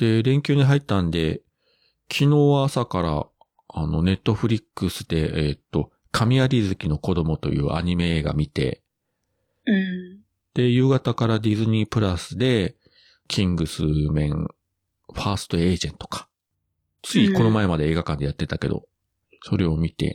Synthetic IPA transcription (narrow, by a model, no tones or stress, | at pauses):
d̪̥e̞ɾẽ̞ŋkʲɨːɲ̟iɦait̪ːãnd̪e̞ | kʲʰino̞ːsakaɾa̰ | ano̞ne̞t̪ːo̞ɸɯ̟ɾʲikːɯsɨd̪̥e̞et̪ːo̞ | kʰamʲiaɾʲizɨkʲino̞ko̞d̪o̞mo̞t̪o̞̰jɯ̟̰ːʔa̰ɲ̟ime̞eːɡa̰mʲit̪e̞̰ | d̪̥e̞jɯ̟ːɡat̪akaɾad̪ʲizɨɲ̟ipɯ̟ɾasɨd̪e̞ | kʲʰĩŋɡɯ̟sɨmẽ̞ŋ | ɸaːsɨ̥t̪o̞e̞ːʑẽ̞nt̪o̞̥kḁ | t͡sɨiko̞nomae̞mad̪e̞eːɡakãnd̪e̞jat̪ːe̞t̪ake̞d̪o̞̰ | so̞ɾe̞o̞mʲit̪e̞̰